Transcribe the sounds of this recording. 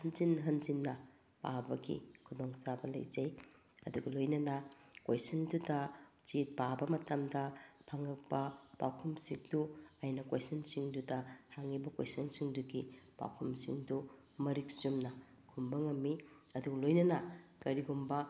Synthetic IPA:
hɐnzinɦɐnzinːɐ | pa̰bɐɡḭkʰudɔŋsabɐlɐ̰jd͡ʒɐj | ɐ̰duɡɐlojnɐnɐkojsɐndudɐt͡ʃit̚pabɐmɐtɐmdɐpʰaŋɐk̚pɐba̰wkʰumsiŋduajnɐkwa̰jsɐnsiŋdudɐhaŋibɐkwḛjsɐnsiŋduɡib̥a̰wkʰumsḭŋdu | mɐɾik̚sumnɐ | kʰumbɐŋɐmːi | ɐduɡɐlojnɐnɐkɐɾiɡumbɐ

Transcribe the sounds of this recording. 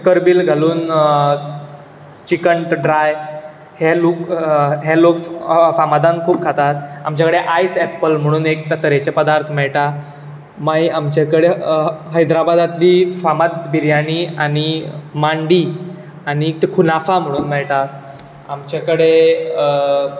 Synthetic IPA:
kəɾbilɡʱaluːn | t͡ɕikəɳʈɖɾaj | heloːkɦelokfamad̪ãnkʰuːp̚kʰat̪at̪a̰mt͡ɕakəɽeʔajsɛpːəlm̤əɽ̃uːnek̚t̪ət̪əɾet͡ɕepəd̪aɾt̪ʰmɛɭʈa | majamt͡ɕakəɽeɦəjd̪ɾabad̪at̪liːfamad̪̚biɾjañia̰nimaɳɖiː | anikʰunafam̤əɽ̃uːnmɛɭʈa | amt͡ɕakəɽe

